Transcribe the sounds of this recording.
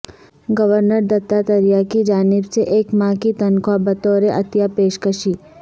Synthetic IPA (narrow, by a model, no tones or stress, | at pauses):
ɡɐʋəɾnəɾd̪ɐt̪ːat̪ɐɾijakid͡ʒaːnɪbseʔeːkmãːkit̪ɐnkʰwabɐt̪oːɾeʔɐt̪japeːʃkəʃiː